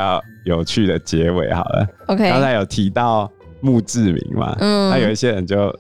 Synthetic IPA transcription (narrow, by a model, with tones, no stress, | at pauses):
ɑ˥˩ʊjo˨˩ʊt͡ɕʰy˥˩d̪ə˨t͡ɕjɛ˨˧˦wḛ˨˦ɪxɑ˨˩ʊd̪ə̰˦o˧˥a˥ŋt͡sʰa˧˦ɪjo˨˩ʊt̪ʰi˧˦t̪ɑ˥˨˩ʊmu˥˧t͡sɹ̩˥˨mḭ˨˧˥ŋma̰˨˩˥nʰa˥jo˨˩i˥˩ɕjɛ˦˥ɻə˨˦nt͡ɕjo˥˨ʊ